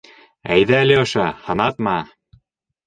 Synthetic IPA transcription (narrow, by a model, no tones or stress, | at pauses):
æ̰jðæːlɘŏʃɑhɑ̆nɑt̪mɑ